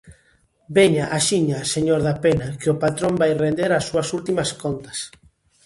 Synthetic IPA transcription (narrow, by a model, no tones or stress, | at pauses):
beɲaʔaʃiɲaseɲoɾðapenakɪʊpat̪ɾombajrend̪eɾasːuɐsult̪imɐskont̪ɐ̥s